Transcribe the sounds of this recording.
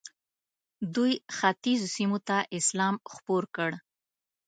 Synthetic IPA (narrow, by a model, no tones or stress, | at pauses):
d̪ujxat̪izosimot̪aʔɪslɑmxpoɾkəɽ